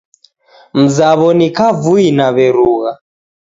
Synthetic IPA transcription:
m̩zaβɔnikavuinaβɛɾuːɣa

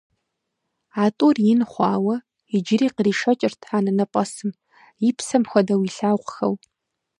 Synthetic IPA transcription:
aːtʼuːrjɪnχʷɑːwɐ | ɪd͡ʒɪɾiːqəriːʂɐt͡ʃʼɪrtʰaːnɐnɐpʼɐsɨm | jɪpsɐmxʷɔdɐwiːɬaːwʁʷxɐ̰w

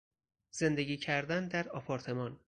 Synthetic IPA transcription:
z̥e̞nd̪e̞ɡiːcʰæɾd̪ænd̪æɾɒpʰɒːɾt̪ʰe̞mɒːn

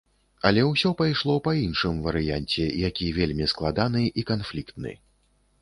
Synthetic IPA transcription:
ɐlʲɛwsʲɔpajʂlˠɔpɐinʂɨmvɐɾɨjanʲt͡sʲɛjakʲivʲelʲmʲisklˠad̪anɨʔikanflʲikt̪nɨ̰

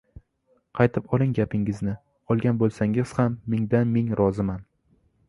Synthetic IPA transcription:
qʰɑjt̪ʰɪpɒlˠɪŋɡʲapʰɪŋɪznɪ | ɒlˠɡʲanbolˠsaŋɪz̥hamːɪŋd̪anme̞ŋɾʔɒzɪman

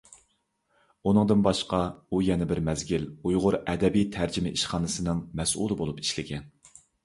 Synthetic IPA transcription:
unɨŋd̪ɨnbɑʃqɑujɛnɪbɪɾmɛzɡʲilujʁʊɾɛd̪ɛbijt̪ʰæɾd͡ʒɪmɪʔiʃχɑːnɨsɨnɨŋmɛsṵlˠɨbolˠupi̥ʃlɪɡʲɛn

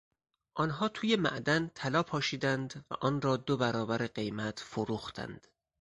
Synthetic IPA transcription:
ʔɒːnɦɒːt̪ʰuːje̞mæ̰ʔd̪ænt̪ʰælɒːpʰɒːʃiːd̪ænd̪væ̰ʔɒːnɾɒːd̪obæɾɒːbæɾeɢe̞jmæt̪ʰfoɾuːxt̪ʰæ̰nd̪̥

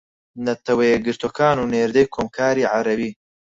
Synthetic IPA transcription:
nɐt̪ʰɐwɐjeɡɨɾt̪ʰoːkʰaːnuneːɾd̪ejkʰoːmkʰaːɾiːʕaɾɐbiː

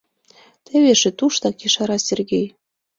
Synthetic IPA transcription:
t̪ĕβeʃĕt̪uʃt̪ɑkiʃɑɾɑsʲerɡʲej

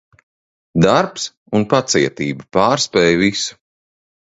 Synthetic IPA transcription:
d̪aɾps | unpat̪siɛt̪iːbupaːɾspɛːjvisu̥

